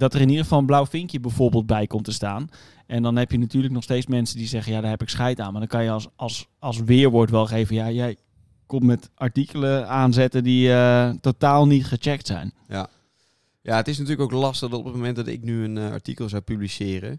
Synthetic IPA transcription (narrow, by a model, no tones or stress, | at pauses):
dɔtərɪniəəfɑlˠənblawfɪŋkjəbɛjfoːɹbəːlˠt̚bɛjkomtəstaːn | ʔɛndɔnɦɛpjənatyːləknɔxsteːsmɛnsədizɛɣənjadaːɹɦɛpɪksχɛjtaːnmadɔnkɑnjəsɑlˠsʋɪːɹʋoːɹtʋɛlˠxeːvənjajɛj | kommɛtaɹtikələaːnzɛtədiətotaːlˠnitχət͡ʃɛk̚tsɛ̰jn | jaətɪs̬natyːləkowklɑstədopətmowmɛnt̚dɔtɪ̰knyəna̰ɹtikəlˠzawpyblisɪːrə̰